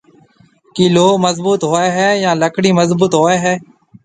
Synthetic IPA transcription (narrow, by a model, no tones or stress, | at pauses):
kiːloːməzbuːt̪ɦoːeːɦɛːjãːləkʰɽiːməzbuːt̪ɦoːeːɦɛː